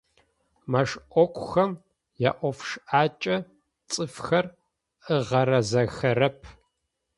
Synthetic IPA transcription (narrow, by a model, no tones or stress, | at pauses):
mɐʂʔʷɔkʷʰʼʊxɐm | ja̰ːʔʷɔfʂʔaːt͡ʃʼɐ | t͡sʼɨfxɐr | ɨʁɐɾɐzɐxɐɾɐpʰ